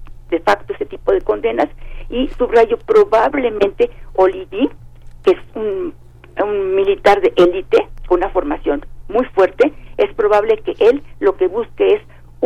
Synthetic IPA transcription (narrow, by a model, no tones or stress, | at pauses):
d̪̥efakt̪oeset̪ipo̞ðe̞ko̞nd̪e̞nasisuβraʝo̞pɾoβaβle̞mẽnt̪eoliɡikeesun | unmilit̪aɾðeʔelit̪ekounafo̞ɾmasjo̞nmujfwe̞ɾt̪eespɾo̞βaβlekeʔelːo̞ke̞βuskees